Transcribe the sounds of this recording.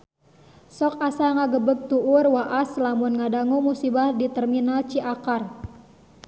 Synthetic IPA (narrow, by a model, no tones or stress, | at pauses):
sɔkasaŋaɡəbək̚t̪uʔurwaʔaslamunŋadaŋumusibahdit̪ərminalt͡ʃiʔakar